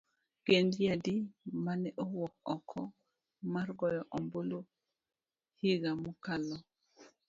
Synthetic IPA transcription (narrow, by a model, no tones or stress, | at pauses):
ɡ̥endjadimanɛʔowɔk̚ɔkʰːɔ | marɡɔjɔʔɔmbolo | hiɡamukalɔ